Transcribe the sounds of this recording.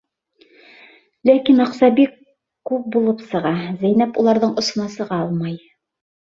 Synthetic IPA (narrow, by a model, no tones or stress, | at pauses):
lækinɑ̆qsɑbikː | ʉp̚bulˠɤpsɤ̆ʁɑzæjnæpulˠɑɾðɤɴŏsŏnɑsɤ̆ʁɑɑlˠmɑj